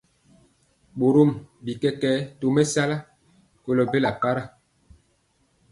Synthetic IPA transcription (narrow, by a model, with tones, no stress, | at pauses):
ɓo˨ɾo˦˨mbi˨kɛ˦kɛː˦to˨mɛ˦sa˦la˦ | ko˨lɔ˨be˦la˨pa˦ɾa˦˨